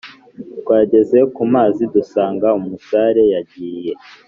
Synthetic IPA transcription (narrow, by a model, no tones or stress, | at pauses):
tkwaːɟe̞ze̞kumaːzidusaːŋɡaumusaɾe̞jaɟiːje̞